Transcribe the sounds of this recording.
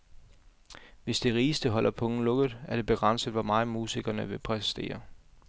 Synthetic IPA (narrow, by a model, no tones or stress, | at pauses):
ʋe̝sd̥e̝ʁiːsd̥əɦɒ̽l̰ʔɐpʰɔ̽ŋn̩lɔ̽ɡ̥ð̩ˠæɐɾ̥e̝b̥e̝ɡ̥ʁɑn̰səðˠʋɒmɑ̈ːmuːsiɡ̥ɐnəʋe̝pʰʁɛsi̥sd̥e̝̰ːɐ